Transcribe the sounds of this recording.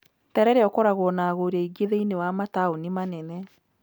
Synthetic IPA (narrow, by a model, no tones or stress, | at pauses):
tɛɾɛɾeɔkɔɾaɣwɔnaːɣoɾaiɡeðeinewamataonimanɛnɛ